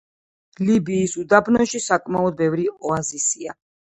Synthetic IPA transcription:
libiːsud̪abnɔʃisakʼmaɔd̪̚bɛvɾiɔazisia

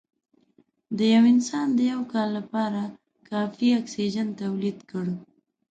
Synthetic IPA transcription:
d̪əjawɪnsɑnd̪əjawkɑlːapɑɾa | kɑfiɑksid͡ʒant̪awlid̪kəɽ

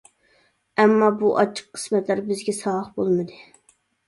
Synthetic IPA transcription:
ɛmːɑbuʔɑ̰t͡ʃʰːə̥qʰːə̥smɛt̪læɾbɪzɡʲɛsɑləχbolˠmɨd̪ɨ

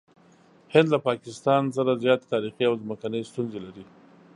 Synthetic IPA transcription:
hɪnd̪lapɑkɪst̪ɑns̬aɾazjɑt̪e̥t̪ɑɾixiawzməkanəjst̪unzelaɾi

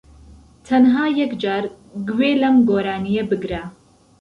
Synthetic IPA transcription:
t̪ʰɐnɦaːjɛkd͡ʒaːɾ | ɡweːlɐmɡoːɾaːnijɐbɨɡɾa

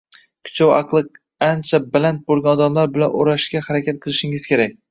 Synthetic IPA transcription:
kʲʰʊ̥t͡ʃʰawɑqlˠɨq̚ | ant͡ʃʰabalant̪̚bolˠɡʲanɒd̪amlaɾbɪlanoɾaʃkʲahaɾakʲʰat̪̚qʰɨlˠɪʃɪŋɪzkʲe̞ɾak̚ʲ

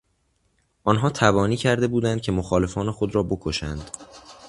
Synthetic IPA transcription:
ʔɒnɦɒːt̪ʰæbɒːniːcʰæɾd̪e̞buːd̪ænd̪̥̚cʰe̞moxɒːle̞fɒːne̞xod̪ɾɒːbo̞kʰoʃænd̪̥

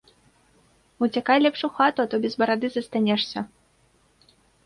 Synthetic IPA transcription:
ut͡sʲakajlʲɛpʂuxat̪uat̪ɔbʲɛzbɐɾad̪ɨzɐst̪anʲɛʂsʲɐ

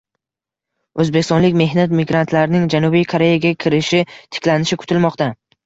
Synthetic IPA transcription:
ɵzbe̞kʲɪst̪ɒnlɪkʲme̞ɦnat̪mɪɡɾant̪ʰlaɾnɪŋd͡ʒanubijkʰoɾe̞jaɡʲakʲʰɪɾɪʃɪt̪ʰɪ̥kʲlanɪʃɪkʰʊ̥t̪ʰɪlmɒqt̪a

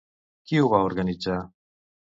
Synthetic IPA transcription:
kiuβaoɾɣanit͡sa

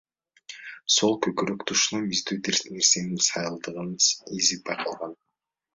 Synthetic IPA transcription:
so̞lˠkʰɵkyɾøkt̪ʰuʃnɑmizd̪yːne̞ɾse̞ninsɑjɯlˠd̪ɯʁɯnizip̚bɑjqʰɑlˠʁɑn

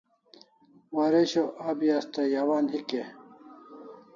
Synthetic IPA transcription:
waːɾeɕoʔaːbjaːst̪ɐjawaːnhike

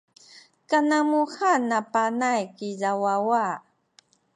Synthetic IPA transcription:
kanamuxanapanajkiʎawawa

